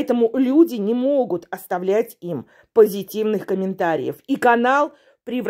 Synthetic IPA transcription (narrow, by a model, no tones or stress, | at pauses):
ɛt̪əmʊlʲudʲɪnʲɪmoɡʊt̪ɐst̪ɐvlʲætʲim | pəzʲɪtʲivnɨxkəmʲɪnt̪aɾʲɪ̰jə̰fikɐnalˠ | pɾʲɪv